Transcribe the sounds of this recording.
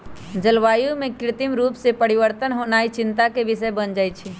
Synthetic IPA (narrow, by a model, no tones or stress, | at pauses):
d͡ʒəlʋaːjõmẽkɾɪt̪imɾuːpsepəɾɪʋəɾt̪ənɦonaːit͡ʃɪ̃nt̪akebɪsəbənd͡ʒaːjt͡ʃʰi